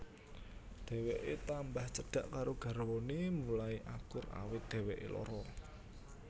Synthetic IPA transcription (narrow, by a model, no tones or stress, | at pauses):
d̪̥ɛ̤weʔet̪ambaht͡ʃəɖ̥a̤ʔkaɾoɡ̥a̤ɾwonemulaiʔakʊra̰wɪt̪̚d̪̥ɛ̤weʔḛlɔ̰ɾɔ